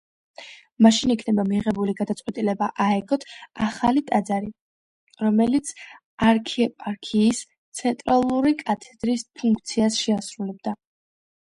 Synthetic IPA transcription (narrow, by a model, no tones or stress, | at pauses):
maʃinikʰnɛbamiʁɛbuliɡad̪at̪sʼqʼwɛt̪ʼilɛbaʔaɛɡɔt̪ʰaχalit̪ʼad̪zaɾi | ɾɔmɛlit̪sʰ | aɾkʰiɛpʼaɾkʰiːs | t̪sʰɛnt̪ʼɾalˠuɾikʼat̪ʰɛd̪̥ɾispʰuŋkʰt̪sʰiasʃɛasɾulɛb̚d̪a